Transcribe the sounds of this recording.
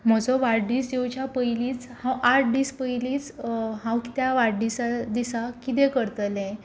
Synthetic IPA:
m̤əd͡zɔʋaɽɖiːsd͡ʑewt͡ɕjapəjliːt͡shãwʔaʈ̚d̪iːspəjliːt͡sɦãwki̥t̪jaʋaɽɖisad̪isakit̪̬ɛ̃kəɾt̪əlɛ̃

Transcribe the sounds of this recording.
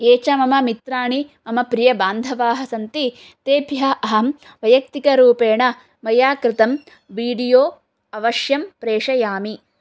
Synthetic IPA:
eːt͡ʃɐmɐmɐmit̪ɾaːɳi | ɐmɐpɾijɐbaːnd̪ʱɐʋaːɦɐ̆sɐnt̪i | t̪eːbʱjɐʔɐɦɐm | ʋɐjɐk̚t̪ikɐɾuːpeːɳɐ | mɐjaːkɾɪt̪ɐm | ʋiːɽijoː | ɐʋɐʃjɐmpɾeːʂɐjaːmi

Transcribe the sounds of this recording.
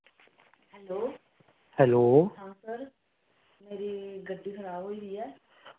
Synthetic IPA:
hɛloː | hɛloːɦãːsəɾ | meːɾiɡəɖiːkʰəɾaːbɦoːiːɾiːɛː

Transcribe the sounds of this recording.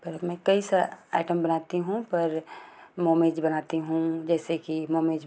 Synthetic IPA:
pɐɾmɛ̃ːkɐisəa̰ːɪʈəmbɐnaːt̪iɦũpɐɾmoːmeːd͡ʒbɐnaːt̪iɦũd͡ʒɛːsekimoːmeːd͡ʒ

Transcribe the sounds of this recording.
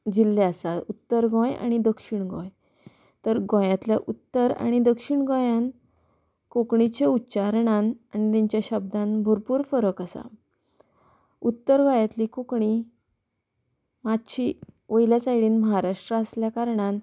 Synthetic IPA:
d͡ʑilːeasaut̪ːəɾɡɔ̃ja̰ɽ̃id̪əkʂiɳɡɔ̰̃j | t̪əɾɡɔ̃jãt̪ljaʔut̪ːəɾa̰ɽ̃id̪əkʂiɳɡɔ̃jãn | kokɳit͡ɕeutːɕaɾɳãnaɳit̪ãɲt͡ɕjaɕəb̚d̪ãnbʱoɾpuːɾfəɾəkəsa̰ | ut̪ːəɾɡɔ̃jãt̪liːkokɳi | mat̪ɕiʋəjljat͡sajɽiːnməɦaɾaʂʈɾəəsljakaɾɳan

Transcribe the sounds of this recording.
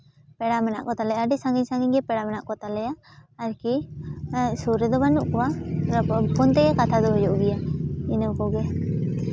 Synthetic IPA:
pɛɽamɛna̰ʔkɔt̪alɛjaɖisãŋɡiɲsãŋɡiɲɡɛpɛɽamɛnaʔkɔt̪alɛjaːɾki | suɾɛd̪ɔbanuʔkɔwa | pɔnt̪ɛɡɛkat̪ʰad̪ɔɦɔd͡ʒɔʔɡijainəkɔɡɛ

